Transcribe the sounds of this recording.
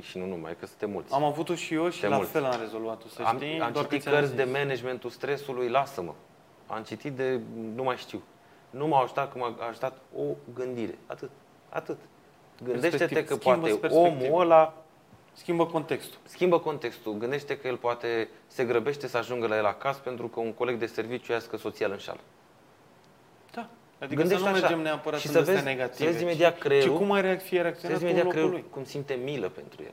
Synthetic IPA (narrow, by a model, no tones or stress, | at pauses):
ʃinunuma̰jkəsɨnt̪emṵlt̪samavut̪oʃijoʃielaultffelamrezo̞lvuat̪oəa̰miamt͡ʃait̪it̪kərsʲd̪e̞mened͡ʒment̪ust̪ɾe̞sulujlasəmə̰ | a̰mt͡ʃit̪it̪̚d̪e̞numajʃt̪iw | numawaʒut̪at̪̚kəmaʒut̪at̪o̞ɡɨnd̪iɾe̞̰a̰t̪ɨt̪̚ | a̰t̪ɨt̪ | ɡɨnd̪e̞ʃt̪eie̞kəpoab̪eso̞emuəla | skʲimbəkont̪ekst̪u̥skʲimbəko̞nt̪e̞kst̪uɡɨnd̪e̞ʃt̪ekəje̞lpoat̪e̞se̞ɡɾəbe̞ʃt̪e̞səaʒuŋɡəlajela̰kaspe̞nt̪ɾukəuŋko̞le̞ɡd̪e̞se̞rvit͡ʃjujaskəso̞t̪sialɨnʃa̰lə | d̪̥a | ad̪iɡɨnd̪eʃueameʃaemneapəɾat̪ʃisəvezeneɡat̪siəvezime̞d̪iat̪kɾeiukumajɾeakt̪ijeɾeakt̪sionvezimed̪ialokɾeulujkumsint̪e̞miləpe̞̰nt̪ɾṵjḛl